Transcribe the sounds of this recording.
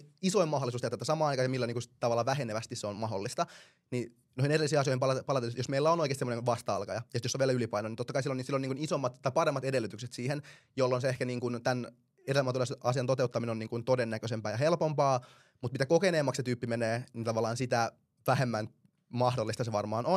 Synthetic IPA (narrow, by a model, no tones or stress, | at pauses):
isoimɑholisuːst̪et̪ːæt̪æsɑmɑːɑjkɑːjɑmilːæniːŋkunst̪ɑʋɑlːɑːʋæheneʋæst̪isseonmɑɦolːist̪ɑ | ni | nohinerilːisiːɑs̬ioimpɑlɑpɑlɑt̪elːjosmeilːæonoikest̪seːmonenʋɑst̪ɑɑ̰lkɑjɑjɑsit̪joseʋielylipɑinonint̪ot̪ːɑkɑisilːonisilːoniːŋkunisomːɑt̪t̪ːɑjpɑɾemːɑt̪edelːyt̪ykset̪siːhen | jolːonseehkæniːŋkunt̪æn | edelæmæt̪uleːsʔɑsiɑnt̪ot̪eut̪ːɑminenoniːŋkunt̪odenːækøsempæːjɑɦelpompɑː | mut̪mit̪ækokeneːmːɑkset̪yːpːimeneːnint̪ɑʋɑlːˑɑːnsit̪æ | ʋæɦemːæn | mɑhdolːist̪ɑseʋɑrmɑːnon